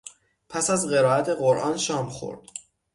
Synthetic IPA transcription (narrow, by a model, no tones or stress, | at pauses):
pʰæsæzɢe̞ɾɒːæt̪ʰe̞ɢoɾʔɒːnʃɒːmxo̰ɾd̪̥